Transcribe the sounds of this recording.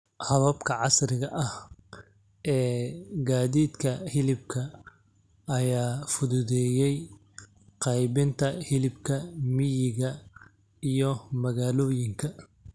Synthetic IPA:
hɐβɐbkʰɐʕɑsrɪɣɐʔɐh | ʔɛːɡaːðiːd̪kʰɐhɪlɪb̚kʰɐ | ɐjaːfʊðʊðɛːjɛj | qɑjβɪnt̪ʰɐhɪlɪbkʰɐmɪjɪɣɐ | ijɞmɐɣaːlɔːjɪŋkʰɐ

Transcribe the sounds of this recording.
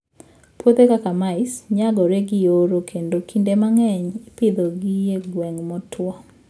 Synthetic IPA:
pwot̪ekakamaɪsɲaɡɔɾeɡɪoɾokʰendokʰindemaŋɛɲpɪd̪oɡijeɡwɛŋmɔtwɔ

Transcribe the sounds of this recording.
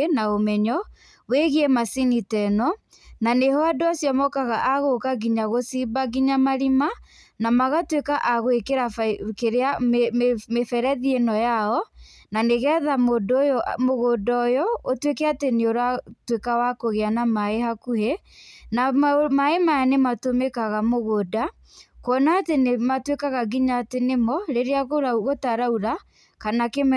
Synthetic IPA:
naomɛɲɔ | weɣiɛmasinitɛnɔ | nanehɔadoasjɔmɔkaɣaʔaɣokaɡiɲaɣosibaɡiɲamaɾima | namaɣatwekaʔaɣoekeɾafkeɾeammefɛɾɛðienɔjaɔ | naneɣɛðamoːdojɔmoɣodɔjɔotwekɛateneoɾatwekawakoɣeanamaehakuhe | namaemajanematomekaɣamoɣoda | kwɔnaːtenematwekaɣaɡiɲaːtenemɔɾeɾeaɣoɾaɣotaɾauɾa | kanake

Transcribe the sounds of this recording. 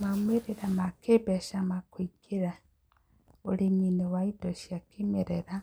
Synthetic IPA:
mameɾeɾamakʰebɛʃamakwikʰeɾa | oɾeminewaidɔʃjakemeɾeɾa

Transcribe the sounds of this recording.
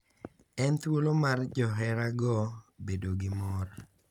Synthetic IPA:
ɛnt̪wolomard͡ʒɔɦɛɾaɡɔbedoɡɪmɔr

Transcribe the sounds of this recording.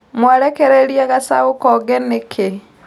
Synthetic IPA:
mwaɾekeɾeɾiaɣasaokɔɡɛnekʰe

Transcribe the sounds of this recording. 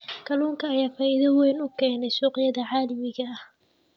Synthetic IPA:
kʰɐluːŋkʰɐːjaːfaːʔiðɐwɛjnʊkʰɛːnɛjsuːqjɐðɐʕaːlɪmɪɣɐɐh

